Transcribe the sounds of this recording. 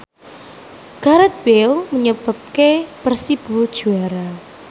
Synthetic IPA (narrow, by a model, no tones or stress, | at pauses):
ɡ̥aɾat̪̚bewməɲəb̥a̤p̚kepərsib̥ṳd̥ʒ̥ṳaɾa